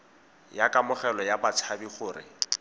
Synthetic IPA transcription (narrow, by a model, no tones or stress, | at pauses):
jakʼamʊχɛlɔjabat͡sʰabiχʊːrɪ̰